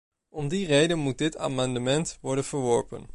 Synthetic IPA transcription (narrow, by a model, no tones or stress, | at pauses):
ɔmdirejdənmut̚dɪtʰa̰ːmɑndəmɛntʋɔɹdənv̥əɹʋɔɹpə̰n